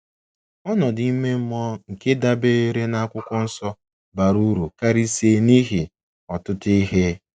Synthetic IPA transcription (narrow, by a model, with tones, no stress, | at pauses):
ɔ˦nɔ˨di˨i˦me˦m̩˦mɔ˦ŋ̩˨ke˦da˦be˦e˦ɾe˦na˦a˦kʷʊ˦kʷʊ˦n̩˦sɔ˦ | ba˨ɾu˦ɾu˨ka˦ɾi˦si˨e˦˨ni˦ɦi˨ | ɔ˨tʊ˦ti˦ɦe˦